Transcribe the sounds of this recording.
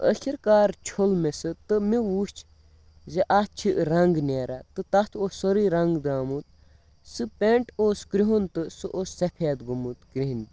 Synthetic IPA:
ə̰kʰʲiɾkaːɾt͡ʃʰolmesɨt̪ɨmiʋuːt͡ʃʰ | zeʔat͡ʃʰiʔɾɐŋɡnʲeːɾʔat̪ɨt̪ɐt̪ʰoːsoɾiːɾɐŋɡd̪aːmut̪̚ | sɨpʲeɳʈoːskɾiɦont̪ɨsɨʔosːɐpʰeːd̪ɡumut̪kɾiɦinʲ

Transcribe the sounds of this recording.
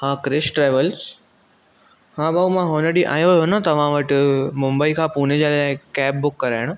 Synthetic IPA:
hãkɾɪʃʈɾeːʋəls | hãːbaːumãɦoːnəɽiʔa̰ːjojonat̪ɐʋ̤ãʋəʈmʊmbəikʰãːpuːned͡ʑelakkɛːp̚bʊkːɐɾaɪɽ̃o

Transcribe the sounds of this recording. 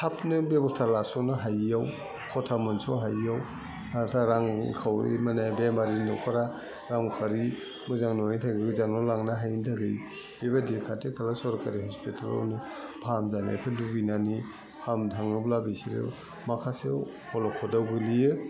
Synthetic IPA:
tʰapnɯbebɔstʰaɾlasɔnɯɦajaw | kʰɔtʰamɯnsoɦajaw | atʰaɾaŋkʰawɾḭmanajbemaɾinɔkʰɔɾa | ɾaŋkʰaɾi | mɯzaŋnojntʰaɡɯɡɯzaŋnɔlaŋnaɦajntʰaɡɯj | b̥ebadekʰatʰekʰalasɔɾkaɾiɦɔspitʰala̰wnɯbʰamzanḛkʰɯdubinani | hʰamdʰʱaŋnɔblabisiɾɯ̰ | makʰase | hɔlɔkʰɔdawɡɯlijɯ

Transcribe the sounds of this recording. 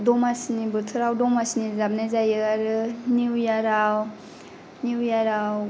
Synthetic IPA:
dɔmasnibɯtʰɯɾawdɔmasnizab̚nazajɯaɾɯniwjaɾaw | niwjaɾaw

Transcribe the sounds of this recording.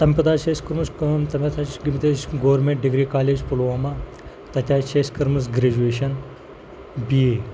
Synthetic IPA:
t̪ɐmpɐt̪aːʃeskɐɾmɐskɐmt̪ɐmʲpɐt̪ʰaɡimt̪eːʃɡoʋɐɾmẽɳʈ̚ɖiɡɾiːkaːleːd͡ʒpulʋaːma | t̪ɐt̪ʲaːt͡ʃeskɐɾmɐs̬ɡɾed͡ʒueːʃɐn | bie

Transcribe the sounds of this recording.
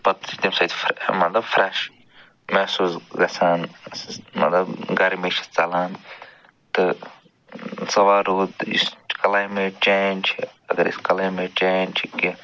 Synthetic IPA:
pɐt̪t̪imsɐjt̪fmɐt̪lɐbfɾɛʃ | mɛːsuːzɡɐsaːn | mɐ̰t̪lɐbɡɐɾimet͡ʃʰi̥st͡sɐlaːn | t̪ɨ | sɐʋaːɾuːd̪ḭskɐlajmeːt͡ʃeːnt͡ʃʰiɐ̰ɡɐɾḭskɐlajmet͡ʃeːnt͡ʃʰiki

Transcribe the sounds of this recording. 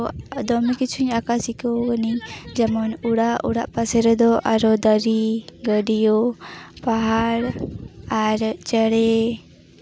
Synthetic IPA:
d̪ɔmɛkit͡ʃʰuɲakasikɔwkənid͡ʒamɔnuɽaʔṵɽaʔpasɛɾɛd̪ɔʔaɾɔd̪əɾiɡəɖijɔpaɦaɾaɾt͡ʃəɽɛ

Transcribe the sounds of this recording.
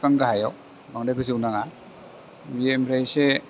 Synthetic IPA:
kaŋɡaɦajaw | maŋdaɡɯziwnaŋa | biemɾajse

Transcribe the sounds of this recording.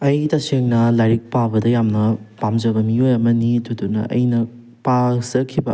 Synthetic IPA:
ɐjtɐseŋnɐlajɾik̚pawbɐdɐjamnɐpamzɐbɐmiojɐmɐnitʰudunːɐ̰ʔɐ̰jnɐ | pazɐkʰːibɐ

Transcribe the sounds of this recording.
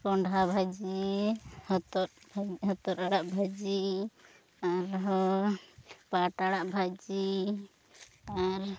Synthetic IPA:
pɔɳɖʱabʱad͡ʒi | hɔt̪ɔɾbʱaɦɔt̪ɔɾaɽaʔbʱad͡ʒi | aɾɦɔ | paʈaɽaʔbʱad͡ʒi | aɾ

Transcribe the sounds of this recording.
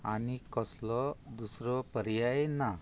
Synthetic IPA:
anikɔslɔd̪usɾɔpəɾjajena

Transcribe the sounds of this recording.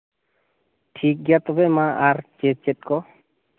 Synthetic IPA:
ʈʰik̚ɡiat̪ɔbemãʔaɾt͡ʃet͡ʃet̚kɔ

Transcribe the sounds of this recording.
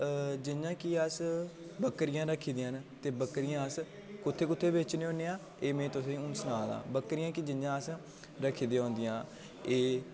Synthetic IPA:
d͡ʒɪɲjãːkɪəsbəkɾɪjãːɾəkʰiːd̪eːənt̪eːbəkɾɪjãːəs | kʊt̪ʰːeːkʊt̪ʰːeːbeːt͡ʃneːõːneːãː | eːmẽːt̪ʊsẽːʊnsənaːd̪ã̰ːbəkɾɪjãːkɪd͡ʒɪjãːəs | ɾəkʰːiːd̪ẽːɦʊ̃ːnd̪ɪjãː | eː

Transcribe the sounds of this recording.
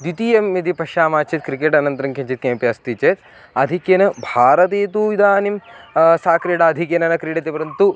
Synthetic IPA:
d̪it̪ijɐmːɐd̪ipɐʃaːmaːt͡ʃʰit̪̚kɾikeːʈɐnɐnt̪ɾɐŋkʰɐɲt͡ʃit̪̚keːmpijɐst̪it͡ʃet̪ | ɐd̪ʱikenɐbʱaːɾɐt̪eːt̪uid̪aːnimsaːkɾiɽaɐd̪ʱikjenɐnɐkɾiɽɐt̪epɐɾɐnt̪u

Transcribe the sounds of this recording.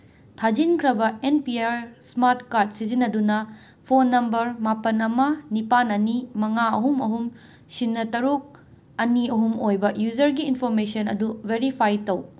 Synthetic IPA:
tʰad͡ʒinkʰɾɐbɐenpiaɾsmaɾtkaɾd̚sizinɐdunɐ | pʰonːɐmbɐɾmapɐnɐmɐnipanɐnimɐŋaɐɦumɐɦum | sinːɐtɐɾuk̚ | ɐniɐɦumojbɐjud͡ʒɐɾɡiːnpʰoɾmesɐnɐ̰duveɾipʰajtɐw

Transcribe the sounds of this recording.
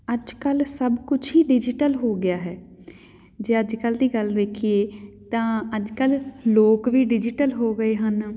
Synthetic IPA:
əd͡ʒkəlsəbkʊt͡ʃʰɦiːɖɪd͡ʒɪʈəlɦoːɡɪjaːɦɛː | d͡ʒeːəd͡ʒkəld̪iːɡəld̪eːkʰieːt̪ãːəd͡ʒkəlloːkʋiːɖɪd͡ʒɪʈəlɦoːɡəeːɦən

